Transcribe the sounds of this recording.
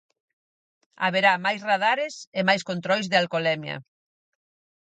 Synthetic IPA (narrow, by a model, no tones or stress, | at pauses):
a̰βeɾamajsraðaɾɪsɪmajskont̪ɾɔjzðɪalkolɛmjɐ̰